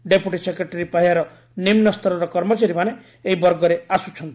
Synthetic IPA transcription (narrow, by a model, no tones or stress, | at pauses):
ɖepjuʈisekɾeʈeɾipaɦiaɾɔ | nimnɔst̪ʰɔɾɔɾɔkɔɾmɔt͡ʃaɾimaneː | ɦibɔɾɡɔɾeasut͡ʃʰɔnt̪i̥